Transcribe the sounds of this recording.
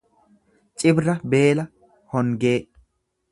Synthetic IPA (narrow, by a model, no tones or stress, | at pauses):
t͡ʃʼɪbɾɐbe̞ːlɐ | hɔŋɡe̞ː